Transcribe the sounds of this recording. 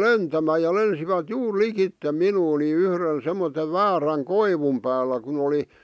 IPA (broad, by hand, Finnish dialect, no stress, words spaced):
lentæmæː jɑ lensiʋæt juːr likitːe minuː ni yhrən semːote ʋæːræŋ koiʋum pæːlːæ kun oli